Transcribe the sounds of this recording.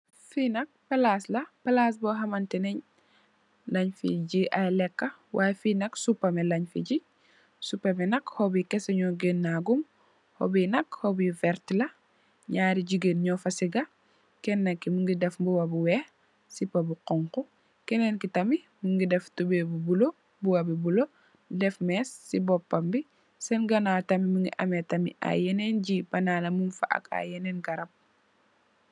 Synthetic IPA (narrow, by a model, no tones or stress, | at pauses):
finɐk̚pɐlaslɐpɐlas̬bɔɦɐmɐntɛnɛɲ | lɐɲfḭɟiʔajlɛkːɐwʔaːjfiːnɐksupːɐmelɐɲfḭɟi | supːɐmɛnɐkhobikɛsɐɲɔɡenːaɡum | ho̰binɐkhobivɛɾtlɐ | ɲaːɾiɟiɡenɲɔfɐsiɡɐ | kɛnːɐkːimuŋɡidɛfmbuwɐbuwɛːh | sipɐbuqɔŋku | kɛnenkitɐmi | muŋɡidɛftubebubulo | buwɐbibulo | dɛfmɛsːibɔpːɐmbi | sɛnɡɐnatɐmimiŋɡḭʔɐmetɐmḭʔa̰jɛnenɟibɐnaːlɐmunfa̰ʔɐ̰ka̰jɛnenɡɐɾɐp̚